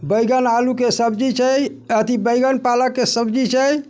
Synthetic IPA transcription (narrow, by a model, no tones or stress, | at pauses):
bəjɡənalukesəbd͡ʒit͡ʃʰə | ət̪ibəjɡənpaləkːesəbd͡ʒit͡ʃʰəj